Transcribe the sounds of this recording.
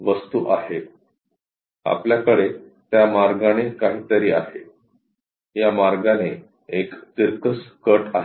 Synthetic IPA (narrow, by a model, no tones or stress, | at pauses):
ʋəst̪uːʔaɦe | a̰pljakəɽe | t̪jamaɾɡaɽ̃ekaɦit̪əɾiːaɦe | jamaɾɡaɽ̃e | ekt̪iɾkəskəʈaɦ